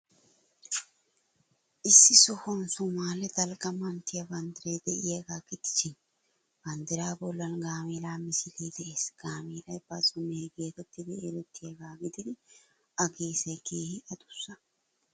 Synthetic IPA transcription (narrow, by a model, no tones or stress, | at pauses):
ʔɪsːɪsɔhɔnsʊmaːlɛd̪ɐlɡɐmɐnt̪ɪjɐbɐnd̪ɪɾejd̪ɛʔɪjeːɡaːɡɪd̪ɪ̥sɪn | b̥ɐnd̪ɪɾaːbɔlːɐnɡaːmiːlaːmɪsɪliːd̪ɛʔeːsɡ̥aːmiːlɐjb̥ɐzʼʊmeːɡe̞ːt̪ɛt̪ːɪd̪ɪelɛt̪ːɪjeɡaːɡɪd̪ɪd̪ɪ | ʔɐɡeːsɐjkeːhɪʔɐd̪ʊ̥sːɐ